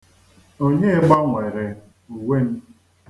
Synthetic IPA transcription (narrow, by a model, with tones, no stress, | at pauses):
o˦ɲe˦e˦ɡ͡ba˦ŋʷe˨ɾe˨ | u˨we˦m̩˦